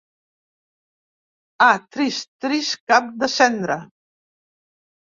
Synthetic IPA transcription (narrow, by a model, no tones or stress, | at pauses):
at̪ɾist̪ɾiskap̚d̪əsɛnd̪ɾa